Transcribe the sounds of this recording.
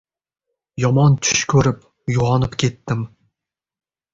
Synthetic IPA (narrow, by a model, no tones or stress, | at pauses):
jɒmɑnt̪ʲʰy̥ʃkʲʰɵɾɘp̚ | juʁɑnɤpkʲet̪ːɘm